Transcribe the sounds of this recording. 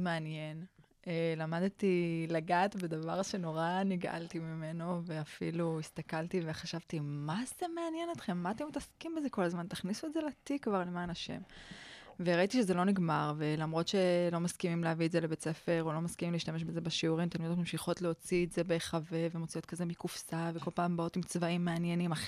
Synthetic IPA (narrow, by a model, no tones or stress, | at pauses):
meanjen | elamad̪t̪ilaɡaːt̪bed̪avaʁʃe̞no̞ʁaniɡʔa̰lt̪imimeno̞ve̞afḭluist̪akalt̪ive̞χaʃavt̪imaz̥eme̞anjenot̪χe̞mːaat̪emit̪askimbezeko̞lazmant̪aχnisuetzelat̪ikvaʁlemaːnaʃḛm | veʁait̪iʃezelo̞niɡmaʁve̞lamʁo̞t̪ʃelo̞maskimimleavietzelebet͡se̞fe̞ʁolo̞maskimimleiʃt̪ame̞ʃ̬bezebeʃiuʁimt̪enomemʃiχo̞tleo̞t͡sieze̞be̞χave̞vemot͡sijo̞t̪̚kaze̞mikufsaveko̞lpaːmbao̞t̪imt͡svaimːeanjenimaχ